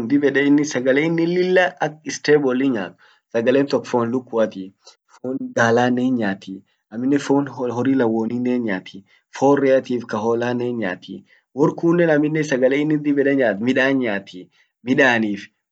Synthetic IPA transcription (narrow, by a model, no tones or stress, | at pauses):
nd̪ɪbɛᶑɛɪnːɪsɐɡɐleːɪnːɪlːɪlːɐʔɐkɪst̪eːbɔliɲa̰ːt̪ʊ̥ | sɐɡɐleːnt̪ɔkːɔ̥foːnlʊkːʊɐt̪iː | foːnɡaːlaːneːɲɲaːt̪ʰiː | ɐmːɪnːɛfoːnɦɔɾiːlɐwːoːniːnːeːɲɲaːt̪ʰiː | foːrːɛɐt̪iːfkɐɦoːlaːnːeːɲɲa̰ːt̪ʰḭː | wɔɾkuːnːɛnɐmːɪnːɛsɐɡɐleːɪnːɪd̪ɪbɛᶑɛɲaːt̪mɪᶑaːɲːaːt̪ʰi | mɪᶑaːniːf